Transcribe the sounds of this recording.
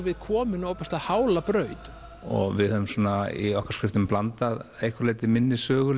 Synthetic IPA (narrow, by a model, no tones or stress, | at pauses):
vɪðkʰɔːmɪnowpast̪ahaːwlapɾœːɥt̪ | ɔ̰ɣvɪðhœʏmsɔːnaḭɔhkaɾ̥skɾɪft̪ʏmplant̪aðejhkʰvaɾlejt̪ɪmɪnːɪsœːɣʏ